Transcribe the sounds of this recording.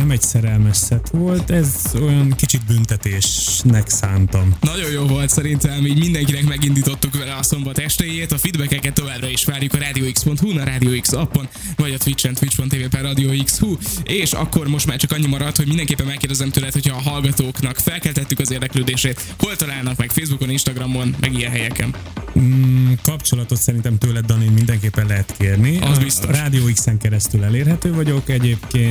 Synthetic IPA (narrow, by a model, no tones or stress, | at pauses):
nɛmɛɟsɛɾɛlmɛʃsɛt̪ʋo̞lt̪ɛzo̞jɒŋkit͡ʃid̪̚bynt̪ɛt̪eːʃnɛksaːnt̪ɒmnɒɟo̞joːvo̞lt̪sɛɾint̪ɛmiːɟmind̪ɛŋkinɛkmɛɡind̪iːt̪o̞t̪ːukʋɛlɛɒso̞mbɒt̪ɛʃt̪ejeːt̪ɒfid̪bɛkɛkɛt̪ːo̞vaːbrɒiʃʋaːrjukɒɾaːd̪ijoːikspo̞nt̪hunɒɾaːd̪ijoːiksɒpːon | vɒɟɒt̪ʋit͡ʃːɛnt̪ʋit͡ʃpo̞nt̪ːeːveːpɛrɒd̪ijoːikshueːʃɒ̰kːo̞rmo̞ʃt̪maːrt͡ʃɒkɒɲːimɒɾɒt̪ho̞ɟmind̪ɛŋkeːpːɛnmɛkːeːrd̪ɛzɛmt̪øːlɛt̪ho̞cʰɒːɦɒlɡɒt̪oːknɒkfɛlkɛlt̪ɛt̪ːykɒzeːrd̪ɛkløːd̪eːʃeːt̪ | ho̞lt̪ɒlaːlnɒkmɛkfeːzbuko̞ninʃt̪ɒɡrɒmo̞nmʔɛ̰ɡijɛnɦɛjɛkɛ̰n | kɒpt͡ʃo̞lɒt̪o̞t̪sɛɾint̪ɛmt̪øːlɛd̪ɒninmind̪ɛŋkeːpːɛnlɛɦɛt̪keːrniʔɒzbist̪oɾaːd̪ijoːiksɛŋkɛɾɛst̪ylɛleːrɦɛt̪øːvɒɟo̞kɛɟeːpkeːn